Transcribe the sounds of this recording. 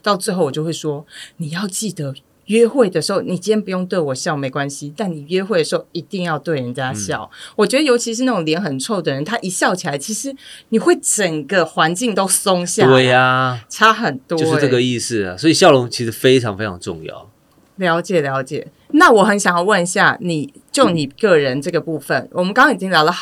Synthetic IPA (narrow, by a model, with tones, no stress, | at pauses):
t̪ɑ˥˧ʊt͡s̩˥˧xo˥˩ʊwɔ˨˩t͡ɕjo˥˧xwe˥˩ʂwɔ˥ni˨˩jɑ˥˧ʊt͡ɕi˥˩d̪ə˩ | ɥɛ˦˥xwe˥˩ɪd̪ə˩ʂɻ̩˧˥xo˥˩ʊni˨˩t͡ɕi˥njɛ˥pu˧jo˥˧ŋt̪we˥˩ɪwɔ˨˩ɕjɑ˥˨˩ʊme˨˧ɪkwa˦nɕi˨t̪a˥˩nni˨˩ɥɛ˦xwe˥˩ɪə˩ʂ̩˧xo˥˩ʊi˧˦t̪i˥˧ŋjɑ˥˧ʊt̪we˥˩ɪɻə˧˨˦nt͡ɕja˦ɕjɑ̰˥˨ʊwɔ˨˩t͡ɕɥɛ˧˥d̪ə˧jo˧˥ʊt͡ɕʰi˧˥ʂɻ̩˧na˥˩ʈ͡ʂʊ˨˩ŋljɛ˧˥nxə˨˩nt͡sʰwɔ˥˩d̪ə˨˩ɻə˧˦nt̪ʰa˦˥ʔi˨˥ɕjɑ˥˩ʊt͡ɕʰi˨˩la˨˧˥ɪt͡ɕʰi˧˥ʂɻ̩˧˦ni˨˩xwe˥˩ɪʈ͡ʂə˨˩ŋɡə˨xwa˧˦˥nt͡ɕi˥˧ŋt̪o˥ʊso˥ŋɕja˥˨we˥˧aʈ͡ʂʰa˥xə˨˩nt̪wɔo˥ʊ˥ʂ̩˥˧ʈ͡ʂə˧˥˨ɡə˨i˥˧sɹ̩̰˥˨˩swɔ˧˥i˨˩ɕjɑ˥˨ʊlʊ˧˥ŋt͡ɕʰi˧˥ʂɻ̩˧˥fe˥ɪʈ͡ʂʰɑ̰˧˦ŋfe˥ɪʈ͡ʂʰɑ˧˥ŋʈ͡ʂʊ̰˥˧ŋjɑ̰˨˩ʊ | ljɑ˧˥ʊt͡ɕjɛ˨˩ljɑ˧˥ʊt͡ɕjɛ̰˨˩ | na˥˨wɔ˨˩xə˧˥nɕjɑ˨˩ŋjɑ˥˧ʊwə˥˧n˧ɕja˥˩ni˨˩ | t͡ɕjo˥˩ʊni˨˩kɤ˥˩ɻə˦nʈ͡ʂɤ˥˩ɡə˩pu˥˧fə˨nwɔ˨˩mə˦kɑ˥ŋʰɑ˥ŋi˨˩t͡ɕi˦ŋljɑ˧˥ʊlə˨˧